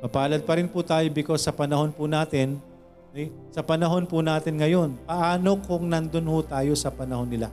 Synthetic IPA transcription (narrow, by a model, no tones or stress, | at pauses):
mɐpaːlɐd̪̚pɐɾɪnpʊt̪aːjobɪko̞sːɐpɐnɐho̞npʊnaːt̪ɪn | ɛj | sɐpɐnɐɦo̞npʊnaːt̪ɪnŋɐjo̞npɐʔaːnokʊŋnɐnd̪onhʊt̪aːjo̞sɐpɐnɐhonːɪla